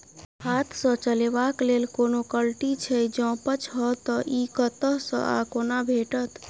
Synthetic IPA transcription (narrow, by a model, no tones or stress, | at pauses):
hat̪ʰsə̃t͡ʃəlebaklelkonokəlʈit͡ʃʰɛd͡ʒɔ̃pət͡ʃɦɔt̪ɔʔikət̪əɦsə̰̃ʔa̰konabʱeʈət̪